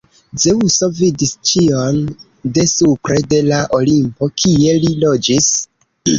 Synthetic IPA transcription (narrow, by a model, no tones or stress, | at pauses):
zeuso̞vidist͡ʃion | de̞supɾe̞de̞laʔolimpo̞kʰie̞lilo̞d͡ʒis